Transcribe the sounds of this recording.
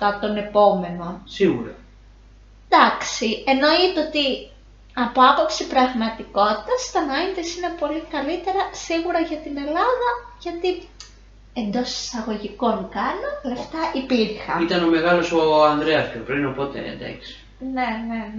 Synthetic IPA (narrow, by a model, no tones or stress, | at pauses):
t̪ɐt̪o̞ne̞po̞me̞no̞siɣuɾɐ̰ | nd̪ɐksie̞no̞it̪ot̪i | ɐpo̞ɐpo̞psipɾɐɣmɐt̪iko̞t̪i̥t̪ɐst̪ɐnɐind̪esinepo̞likɐlit̪e̞ɾɐsiɣuɾɐʝɐt̪ine̞lɐðɐʝɐt̪i | e̞nd̪o̞si̥sɐɣo̞ʝiko̞nkɐnole̞ft̪ɐʔipiɾxɐit̪ɐno̞me̞ɣɐlo̞soɐnd̪ɾeɐspʰopɾinopo̞t̪ḛḛnd̪ḛksi̥ | nene